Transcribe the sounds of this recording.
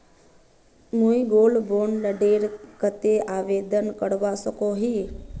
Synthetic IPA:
mũiɡoːlboːɳləɖeːɾkət̪eaːʋeːd̪ənkəɽʋasəkoɦiː

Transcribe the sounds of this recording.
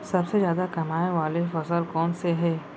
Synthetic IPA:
sɐbsezjaːd̪akɐmaːeʋaːlefɐsəlkɔːnseɦɛː

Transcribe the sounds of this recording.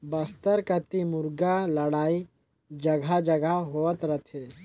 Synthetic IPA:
bɐst̪əɾkət̪imʊɾɡalɐɽaːi | d͡ʒɐɡʱad͡ʒəɡaɦoət̪ɾət̪ʰeː

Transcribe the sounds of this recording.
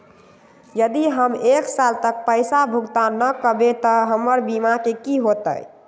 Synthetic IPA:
jəd̪iɦəmeksalt̪ək̚pəɪsabʱuɡt̪anəkəbet̪əɦəməɾbimakekiɦot̪ə̰j

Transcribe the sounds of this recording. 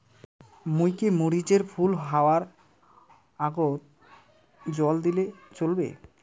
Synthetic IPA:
mujkemuɾid͡ʑeɾfʰulɦaoaɾ | aɡot̪ | d͡ʑɔld̪ilet͡ɕolbḛ

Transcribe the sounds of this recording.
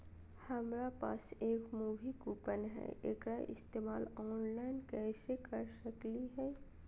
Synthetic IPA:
hɐmɾapa̰ːseːkmuːʋʱikuːpənɦɛ̰ʔḛːkɾaʔɪ̰st̪eːmaːlɔːnlaːɪnkɛːsekəɾsəkliɦɛː

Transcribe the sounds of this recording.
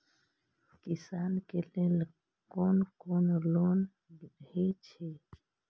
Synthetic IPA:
kisankelel | konkonlon | biɗet͡ʃʰe

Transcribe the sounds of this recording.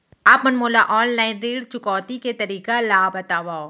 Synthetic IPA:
aːpmɐnmoːlaʔɔːlːaːɪnɾiːɽt͡ʃʊkɔːt̪iket̪ɐɾiːkalaːbɐt̪aːʋao

